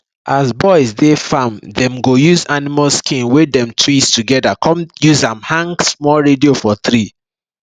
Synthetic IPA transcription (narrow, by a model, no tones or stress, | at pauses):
ʔazbɔɪsdefãmdɛ̃mɡojuzanimalskĩnwedɛ̃mtʰɹistuɡɛdakʰɔ̃mjuzãmhãŋɡsmɔlɹediofɔθɾi